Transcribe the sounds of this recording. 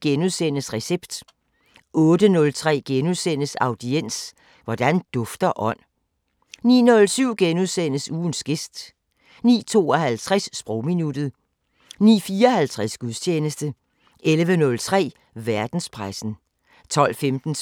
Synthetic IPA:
ɡ̥enuðˠsenəsʁɛseb̥d̥ | ʔɔ̽ːd̥ənɔ̽lt͡sʰʁɛ̰ːɡ̥enuðˠsen̰əsɑ̈ʊd̥ien̰s | ʋɒd̥ænd̥ɔ̽fd̥ɐʔɒ̽n̰ | nḭːnɔ̽lsyʊ̰ɡ̥enuðˠsenəsuːn̩sɡ̥e̝sd̥ | nḭːt͡sʰo̝̰ːɒ̽hælt͡sʰʁasːb̥ʁɔʊminud̥ð̩ˠ | nḭːfiːɐɒ̽hælt͡sʰʁasɡ̥uðˠst͡ɕʰeːnəsd̥ə | ʔelʋənɔ̽lt͡sʰʁɛ̰ː | ʋæɐd̥n̩spʰʁasn̩ | t͡sʰɒ̽l̰femd̥n̩

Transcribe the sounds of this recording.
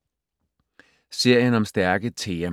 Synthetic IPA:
se̝ɐ̰jənɒ̽msd̥æɐɡ̥ət͡sʰe̝ː

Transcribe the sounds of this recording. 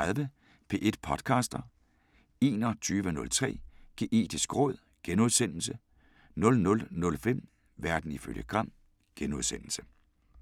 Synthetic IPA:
aðˠʋə | pʰe̝̰ːʔed̥̚pʰɒ̽d̥kʰɑ̈ːsd̥ɐ | e̝̰ːnɒt͡sʰyːʋənɔ̽lt͡sʰʁɛ̰ːɡ̥e̝ːʔe̝̰ːd̥isɡ̥ʁɔ̽ð̞̰ˠ | ɡ̥enuðˠsen̰l̩sə | nɔ̽lnɔ̽lnɔ̽lfem̰ | ʋæɐd̥n̩iføl̰jəɡ̥ʰʁɑ̈n̰ | ɡ̥enuðˠsen̰l̩sə

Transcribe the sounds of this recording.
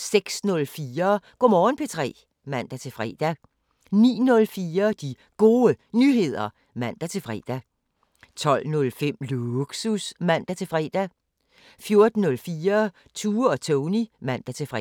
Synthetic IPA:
seɡ̥snɔ̽lfiːɐɡ̥ɔmɒːnpʰe̝t͡sʰʁɛ̰ː | mæn̰d̥æt͡sʰe̝fʁɛ̰ːd̥æ | nḭːnɔ̽lfiːɐd̥i | ɡ̥o̝ːənyɦe̝ð̞̰ˠɐ | mæn̰d̥æt͡sʰe̝fʁɛ̰ːd̥æ | t͡sʰɒ̽l̰nɔ̽lfem̰luɡ̥susmæn̰d̥æt͡sʰe̝fʁɛ̰ːd̥æ | fjo̝ɐd̥n̩ːɔ̽lfiːɐ | t͡sʰuːɒ̽t͡sʰɔʊnimæn̰d̥æt͡sʰe̝fʁɛ

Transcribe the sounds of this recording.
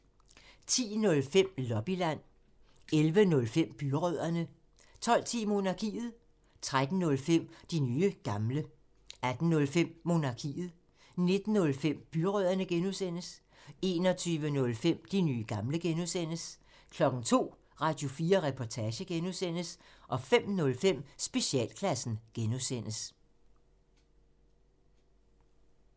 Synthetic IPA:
t͡sʰḭːnɔ̽lfem̰lɒ̽b̥ilæn̰ | elʋənɔ̽lfem̰b̥yʁœð̞̰ˠɐnə | t͡sʰɒ̽l̰t͡sʰḭːmo̝nɑ̈kʰḭːð̞̩ˠ | t͡sʰʁad̥n̩nɔ̽lfem̰d̥inyːəɡ̥ɑ̈mlə | æd̥n̩nɔ̽lfem̰ːo̝nɑ̈kʰḭːð̞̩ˠ | ne̝d̥n̩ːɔ̽lfem̰b̥yʁœðˠɐnəɡ̥enuðˠsen̰əs | e̝̰ːnɒ̽t͡sʰyːʋənɔ̽lfem̰d̥inyːɡ̥ɑ̈mləɡ̥enuðˠsen̰əs | kʰlɒ̽ɡ̥n̩t͡sʰo̝̰ː | ʁɑ̈ːd̥jo̝fiːɐʁɛpʰɒt͡sʰɛːɕəɡ̥enusen̰əsʔɒ̽fem̰nɔ̽lfem̰sb̥e̝ɕiɛ̰ːlkʰlæsn̩ɡ̥enusen̰əs

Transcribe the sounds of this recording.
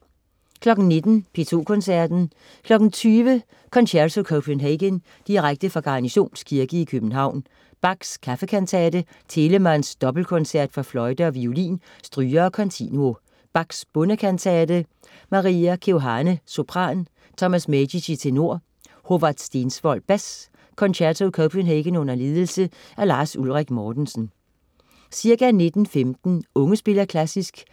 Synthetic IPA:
kʰlɒ̽ɡ̥n̩ne̝d̥n̩pʰe̝t͡sʰo̝̰ːkʰɔ̽nsæɐd̥n̩ | kʰlɒ̽ɡ̥n̩t͡sʰyːʋə | kʰɒ̽nɕæɐsokʰoʊpʰenɦeɡ̥ən | d̥iʁaɡ̥̚d̥əfɑ̈ɡ̥ɑ̈ɑniɕo̝̰ːnskʰiɐɡ̥əikʰøb̥n̩ɦɑ̈ʊ̰n | b̥ɑ̈ɡ̥skʰæfəkʰænt͡sʰɛːd̥ə | t͡sʰe̝ləmænsd̥ɒ̽b̥l̩kʰɔnsæɐ̰d̥fɑ̈flɒ̽ɪd̥əɒ̽ʋiolḭːn | sd̥ʁyːɐːkʰɒ̽nt͡sʰḭnuo̝ | b̥ɑ̈ɡ̥sb̥ɔ̽nəkʰænt͡sʰɛːd̥ə | mɑ̈ʁiːækʰeɦɑ̈nəso̝pʰʁɑ̰̈ːn | t͡sʰɒ̽mæsmediɕit͡sʰe̝no̝ɐ̰ | ho̝ʋɑd̥sd̥e̝ːnsʋɒ̽lb̥æs | kʰɒ̽nɕæɐt͡sʰokʰob̥ʰenɦeɡ̥ənɔ̽n̰ɐle̝ːð̞ˠl̩sə | ʔæɐlɑ̈ːsulʁaɡ̥mɒːd̥n̩sn̩ | siɐɡ̥æne̝d̥n̩femd̥n̩ɔ̽ŋəsb̥e̝lɐkʰlæsisɡ̥

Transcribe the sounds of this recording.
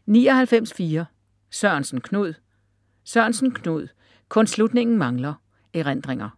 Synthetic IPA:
niːɒ̽hælfem̰sfiːɐ | sɶɐnsn̩kʰnuð̞̰ˠ | sɶɐnsn̩kʰnuð̞̰ˠ | kʰɔ̽nslud̥ne̝ŋn̩mɑ̈ŋlɐ | eʁend̥ʁeŋɐ

